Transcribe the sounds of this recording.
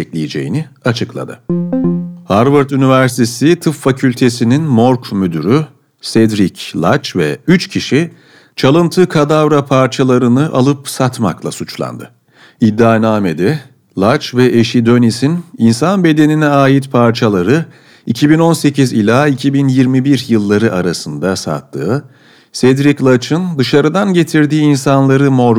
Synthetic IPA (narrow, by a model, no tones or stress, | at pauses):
ɛklʲejed͡ʒe̞̰jḭniat͡ʃʰɯklˠa̰d̪ɯ̰ | haɾvɯɾt̪ynivæɾst̪ʰesit̪ʰɯffːacʰylʲt̪ʰe̞sininmoɾkmyd̪yɾy | sɛd̪ɾiclˠat͡ʃvɛ̰yt͡ʃcʰiʃi | t͡ʃʰalˠɯnt̪ʰɯkʰad̪avɾapʰaɾt͡ʃʰalˠaɾɯnɯʔa̰lˠɯpsat̪ma̰klˠa̰sut͡ʃlˠa̰nd̪ɯ | id̪ːaːnaːme̞d̪i | lˠat͡ʃvɛʔeʃid̪o̞nisininsanbe̞d̪e̞ninɛaːjit̪pʰaɾt͡ʃʰalˠaɾɯ | icʰibino̞nse̞cʰizilʲaːicʰibinjiɾmibiɾjɯlˠːaɾɯʔaɾasɯnd̪asa̰t̪ʰːɯ̰ː | sɛd̪ɾiclˠat͡ʃʰɯnd̪ɯʃaɾɯd̪anɟe̞t̪ʰiɾd̪iːinsanlˠaɾɯmo̞ɾ